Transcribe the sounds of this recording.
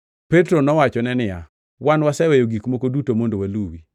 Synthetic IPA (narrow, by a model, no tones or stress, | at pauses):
petɾonɔwat͡ʃɔnɛnɪja̰ | wanwasɛwɛjoɡikmokodutomondowaluwi